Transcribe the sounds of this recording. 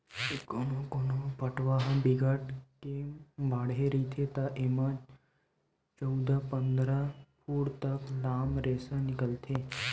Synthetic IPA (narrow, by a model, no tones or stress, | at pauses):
ekonokonopəʈʋaɦãbiɡəʈkembaːɽɦeɾit̪ʰet̪aʔemad͡ʒ | t͡ʃəwd̪apənd̪ɾapʰuːɽt̪ɐklaːmɾeːsanɪkəlt̪ʰeː